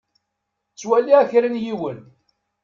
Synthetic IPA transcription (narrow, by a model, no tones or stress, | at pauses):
t͡sːwælːiæçɾənjiwən